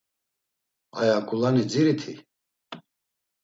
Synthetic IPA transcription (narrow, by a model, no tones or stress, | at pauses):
a̰jakʼulanid͡ziɾit̪ʰi